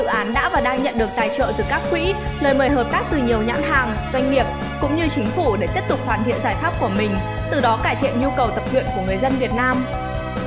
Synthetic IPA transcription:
zɨ̰˧˨ʔaː˨˦nɗa̰ː˧˥vaː˨˩ɗaː˧ŋɲə̰˧˨nɗɨ˨˩ək̚t̪aː˧˩jt͡ɕə̰ː˧˨zɨ˨˩kaː˦˥k̚ːwḭ˧˥ | ləː˨˩jməː˨˩jɦəː˨˩p̚t̪aː˦˥k̚t̪ɨ˨˩ɲi˨˩əwɲa̰ː˧˥nɦa̰ː˧˨˩ŋ | zwa˧jŋ̟ŋi˨˩əp̚ | kʊ̰˧˥ŋ͡mɲɨ˧t͡ɕï˨˦ŋ̟fu˧˩ɗe˧˩t̪i˦˥əp̚t̪ʊ˨˩k͡p̚hwaː˨˩nt̪ʰḭ˧˨ənzaː˧˩jfaː˦˥p̚ku˧˩əmï˨˩ŋ̟ | t̪ɨ˨˩ɗɔ˨˦kaː˧˩jt̪ʰḭ˧˨ənɲu˧kə˨˩wt̪ə˨˩p̚t̪wḭ˧˨nku˧˩əŋɨ˨˩əjzə˧nvi˨˩ət̚naː˧m

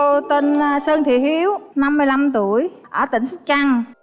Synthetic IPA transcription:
t̪ə˧n˧səː˧ŋt̪ʰḭ˧˩hi˧əwna˧mːɨ˧əjla˧mt̪u˧˩˨əjʔəː˧˩t̪ï˧˩˦ŋ̟su˦˥t̚t͡ɕa˧ŋ

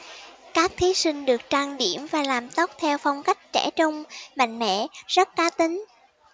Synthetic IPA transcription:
kaː˦˥k̚t̪ʰi˨˦si˧ŋ̟ɗɨ˨˩ək̚t͡ɕaː˧ŋɗi˧˩əmvaː˨˩laː˨˩mt̪o˦˥k͡p̚t̪ʰɛ˧wfa˧wŋ͡mka˦˥jk̟̚t͡ɕɛ˧˩t͡ɕʊ˧wŋ͡mma̰˧˨ŋ̟mɛ̰˧˨zə˦˥t̚kaː˨˦t̪ï˨˦ŋ̟

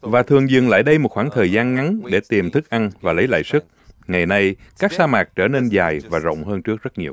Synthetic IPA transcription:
vaː˨˩t̪ʰɨ˨˩əŋzɨ̰˨˩ŋla̰ː˧˨jɗə˧jmo˨˩t̚xwaː˧˩ŋt̪ʰəː˨˩jzaː˧nŋa˨˦nɗe˧˩t̪i˨˩mt̪ʰɨ˦˥k̚ʔa˧nvaː˨˩lə˨˦jla̰ː˧˨jsɨ˦˥k̚ŋa˨˩jna˧jkaː˦˥k̚saː˧maː˨˩k̚t͡ɕəː˧˩ne˧nzaː˨˩jvaː˨˩zə̰˧˨wŋ͡mɦəː˧nt͡ɕɨ˦˥ək̚zə˦˥t̚ɲi˨˩əw

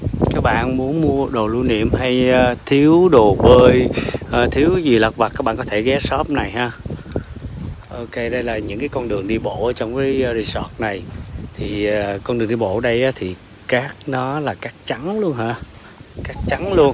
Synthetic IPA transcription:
kaː˦˥k̚ɓa̰ː˧˨nmu˨˦ənmu˧əɗo˨˩lu˧nḭ˧˨əmha˧jːt̪ʰi˨˦əwɗo˨˩ɓəː˧jʔt̪ʰi˨˦əwzi˨˩la˨˩p̚va˨˩kaː˦˥k̚ɓaː˧˨kɔ˦t̪ʰe˧˩ɣɛ˨˦˥sɔ˦˥p̚na˨˩jɦaː˧ | ʔo˧ke˧ɗə˧jlaː˨˩ɲɨ̰˧˥ŋkaː˨˦kɔ˧nɗɨ˨˩əŋɗi˧ɓo̰˧˨ʔaː˨˦t͡ɕɔ˧wŋ͡mvəː˨˦jzi˧sɔ˦˥t̚na˨˩jt̪ʰi˨˩a˨˩kɔ˧nɗɨ˨˩ŋɗi˧ɓo̰˧˨˧ɗə˧jʔaː˨˦t̪ʰi˨˩ | kaː˦˥k̚nɔ˨˦laː˨˩kaː˦˥k̚t͡ɕa˨˦nlu˧ənhaː˧ | kaː˦˥k̚t͡ɕa˨˦nlu˧ən

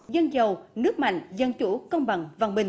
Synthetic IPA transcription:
zə˧nzə˨˩wnɨ˦˥ək̚ma̰˧˨jŋ̟zə˨˩nt͡ɕu˧˩˦kə˧wŋ͡mɓa˨˩ŋva˧˩ŋ͡mɓï˨˩ŋ̟

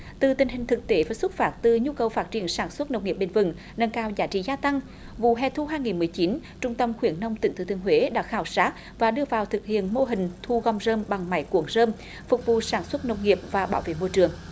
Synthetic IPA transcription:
t̪ɨ˨˩t̪ï˨˩ŋ̟ɦï˨˩ŋ̟t̪ʰɨ˨˩k̚t̪e˨˦vaː˨˩sʊ˦˥t̚faː˦˥t̚t̪ɨ˨˩ɲu˧kə˨˩wfaː˦˥t̚t͡ɕi˧˩ənsaː˧˩nswə˦˥t̚nə˨˩w̚k͡pŋi˨˩əp̚ɓe˧˩nvɨ̰˧˩ŋ | nə˧nkaː˧wzaː˨˦t͡ɕḭ˧˨zaː˧t̪a˧ŋ | vṵ˧˨ɦɛ̰˨˧˨t̪ʰu˧ɦaː˧jŋi˨˩nmɨ˨˩əjt͡ɕi˨˦n | t͡ɕʊ˧ŋ͡mt̪ə˧mxwi˧˩ənnə˧wŋ͡mt̪ï˨˦ŋt̪ɨ̰˨˧˩t̪ʰɨ˧˩əŋɦwe˨˦ɗa̰ː˧˥xaː˧˩wsaː˦˥k̚ | vaː˨˩ɗɨ˧əvaː˨˩wt̪ʰɨ˨˩k̚hḭ˧˨ənmo˧ɦï˨˩ŋ̟t̪ʰu˧ɣɔ˧wŋ͡mzəː˧mɓa˨˩ŋma˧˩jku˧˦əŋzəː˧m | fʊ˨˩k͡p̚vṵ˧˨saː˧˩nswə˦˥t̚nə˨˩wk͡p̚ŋi˨˩əp̚vaː˨˩ɓaː˧˦wvḛ˧˨mo˧jt͡ɕɨ˨˩əŋ

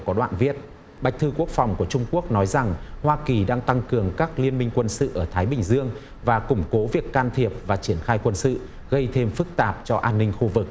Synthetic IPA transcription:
kɔ˨˦ɗwa̰ː˧˨nvi˦˥ət̚ | ɓa˨˩jk̚t̪ʰɨ˧ku˦˥ək̚fa˨˩wŋ͡mku˧˩ət͡ɕʊ˧ŋ͡mku˦˥ək̚nɔ˨˦jza˨˩ŋhwaː˧ki˨˩ɗaː˧ŋt̪a˧ŋkɨ˨˩əŋkaː˦˥k̚li˧ənmï˧ŋ̟kwə˧nsɨ̰˧˨ʔəː˧˩t̪ʰaː˨˦jɓï˨˩ŋ̟zɨ˧əŋ | vaː˨˩kʊ˧˩ŋ͡mko˨˦vi˨˩əkːaː˧nt̪ʰi˨˩əp̚vaː˨˩t͡ɕi˧˩ənxaː˧jkwə˧nsɨ̰˧˨ | ɣə˧jt̪ʰe˧mfɨ˦˥k̚t̪aː˨˩p̚t͡ɕɔ˧ʔaː˧nːï˧ŋ̟xu˧vɨ˨˩k̚

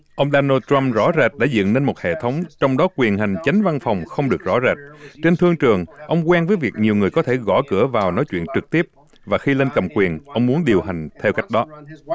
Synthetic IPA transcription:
ʔə˧wŋ͡mɗaː˧naː˧t̪ɹa˧mzɔ̰˧˥zɛ˨˩t̚ɗa̰˧˥zɨ̰˧˨nne˧nmo˨˩t̚hḛ˧˨t̪ʰə˨˦wŋ͡mt͡ɕɔ˧wŋ͡mɗɔ˨˦kwi˨˩ənɦa˨˩jŋ̟t͡ɕa˨˦jŋ̟va˧nfa˨˩wŋ͡mxə˧wŋ͡mɗɨ˨˩ək̚zɔ̰˧˥zɛː˨˩t̚t͡ɕe˧nt̪ʰɨ˧əŋt͡ɕɨ˨˩əŋʔə˧wŋ͡mkwɛː˧nvəː˨˦jvi˨˩ək̚ɲi˨˩əwŋɨ˨˩əjkɔ˨˦t̪ʰe˧˩ɣɔ̰˧˩kɨ˧˩əvaː˨˩wnɔ˨˦jt͡ɕwḭ˧˨ənt͡ɕɨ˨˩k̚t̪i˦˥əp̚ | vaː˨˩xi˧le˧nkə˨˩mkwi˨˩ənʔə˧wŋ͡mmu˨˦ənɗi˨˩əwɦa˨˩jŋ̟t̪ʰɛ˧wka˦˥jk̟̚ɗɔ˨˦

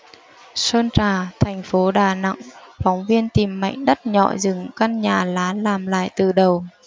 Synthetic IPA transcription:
səː˧nt͡ɕaː˨˩t̪ʰɛ˨˩jŋ̟fo˨˦ɗaː˨˩na̰˧˨ŋfɔ˨˦wŋ͡mvi˧ənt̪i˨˩mːa̰˧˨jŋ̟ɗə˦˥t̚ɲɔ̰˧˨zɨ˨˩ŋka˧nɲaː˨˩laː˨˦laː˨˩mla̰ː˧˨jt̪ɨ˨˩ɗə˨˩w

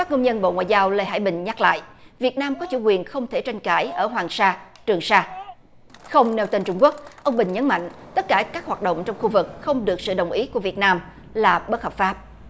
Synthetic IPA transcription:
faː˦˥k̚ŋə˧wŋ͡mɲə˧nɓo̰˧˨ŋwa̰ː˧˨jzaː˧wle˧jɦa̰ː˧˩jɓï˨˩ŋ̟ɲa˦˥k̚la̰ː˧˨jʔvi˨˩ət̚naː˧mkɔ˨˦t͡ɕu˧˩kwi˨˩ənxə˧wŋ͡mt̪ʰe˧˩t͡ɕa˧jŋkaː˧˩jʔəː˧˩ɦwaː˨˩ŋsaː˧ | t͡ɕɨ˨˩əŋsaː˧ | xə˧wŋ͡mne˧wt̪e˧nt͡ɕʊ˧ŋ͡mku˦˥ək̚ʔə˧wŋ͡mɓï˨˩ŋ̟ɲə˨˦nma̰˧˨jŋ̟t̪ə˦˥t̚kaː˧˩kaː˦˥k̚hwaː˨˩t̚ɗə̰˧˨ŋ͡mt͡ɕɔ˧wŋ͡mxu˧vɨ˨˩k̚xə˧wŋ͡mɗɨ˨˩ək̚sɨ̰˧˨ɗə˨˩wŋ͡mʔi˨˦ku˧˩əvi˨˩ət̚naː˧m | laː˨˩ɓə˦˥t̚hə˨˩p̚faː˦˥p̚

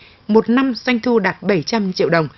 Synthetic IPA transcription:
mo˨˩t̚na˧msa˧jŋ̟t̪ʰu˧ɗaː˨˩t̚ɓə˧˩jt͡ɕa˧mt͡ɕḭ˧˨əwɗə˨˩wŋ͡m

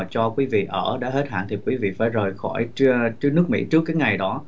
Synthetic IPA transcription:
t͡ɕɔ˧kwi˨˦vḭ˧˨ʔəː˧˩ɗa̰ː˧˥he˦˥t̚ha̰ː˧˨nt̪ʰi˨˩kwi˨˦vḭ˧˨fa̰ː˧˩jzəː˨˩jxɔ˧˩jnɨ˦˥ək̚mḭ˧˥t͡ɕɨ˦˥əkːaː˨˦jŋa˨˩jɗɔ˨˦

